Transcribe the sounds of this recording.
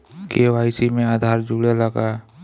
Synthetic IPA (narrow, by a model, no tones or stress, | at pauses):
keʋaːɪsimẽaːd̪ʱaːɾd͡ʒuɽeləɡa